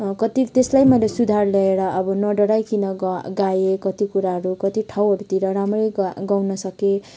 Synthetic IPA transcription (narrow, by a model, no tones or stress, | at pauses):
kʌt̪it̪eslajmʌjlesud̪ʱarlʌeɾʌʔʌbʌnʌɖʌɽajkinʌɡɡajekʌt̪ikuɾaɦʌɾukʌt̪iʈʰawɦʌɾut̪iɾʌɾamrʌjɡɡawnʌsʌke